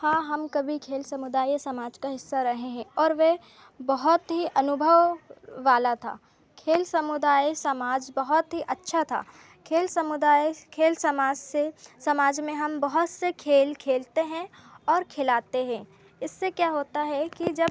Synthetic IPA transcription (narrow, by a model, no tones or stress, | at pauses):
aːɦɐmkɐbʱikʰeːlsɐmʊd̪aːjsɐmaːd͡ʒkaɦɪsːaɾɐɦeɦɛ̃ɔːɾʋe | bɐɦʊt̪ɦiʔɐnʊbʱəʋʋaːlat̪ʰa̰ː | kʰeːlsɐmʊd̪aːjsɐmaːd͡ʒbɐɦɔt̪ɦiʔɐtːʃʰat̪ʰa̰ː | kʰeːlsɐmʊd̪aːkʰeːlsɐmaːd͡ʒsesɐmaːd͡ʒmẽɦɐmbɐɦʊt̪sekʰeːlkʰeːlt̪eɦɛ̃ɔːɾkʰelaːt̪eɦɛ̃ː | ɪsːekjaːɦoːt̪aɦɛkid͡ʒɐb̚